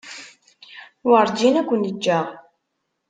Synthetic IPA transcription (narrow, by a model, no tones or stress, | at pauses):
wəɾˤd͡ʒinækʷːənəd͡ʒːæʁ